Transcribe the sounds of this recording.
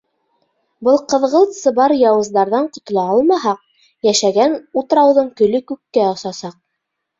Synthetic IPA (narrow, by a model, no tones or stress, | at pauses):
bɤlˠqɤ̆ðʁɤlˠt̪sɤbɑɾjɑwɤ̆zd̪ɑɾðɑɴqŏt̪̆lˠɑɑlˠmɑɦɑq̚ | jæʃæɡænut̪ɤɾɑwðɤɴkɵ̆lɵkʉkːæɑsɑsɑq̚